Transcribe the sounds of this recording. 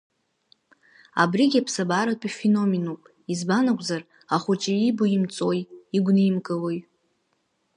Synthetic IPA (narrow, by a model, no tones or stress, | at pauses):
a̰briɡʲapʰsabaɾatʷʼifeno̞menupʼ | izbanakʷʼzar | aχʷʊt͡ʃʼiibuimt͡sʼo̞jiɡʷnɨmkʼɨlo̞j